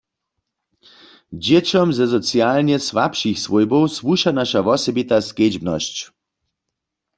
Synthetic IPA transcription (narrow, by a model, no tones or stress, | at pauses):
d͡ʑɛt͡ɕɔmzɛsɔt͡sjalnjɛsʋapʃixsʋojbɔwsʋuʃanaʃaʋɔsɛbit̪asked͡ʑbnɔ̰ɕt͡ɕ